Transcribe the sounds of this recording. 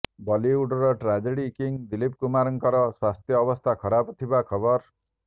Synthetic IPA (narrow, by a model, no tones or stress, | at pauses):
bɔliuɖɔɾɔʈɾad͡ʒeɽikiŋd̪ilip̚kumaɾɔŋkʌɾɔswast̪ʰjʌːbɔst̪ʰakʰʌɾabt̪ʰibakʰʌbɔɾ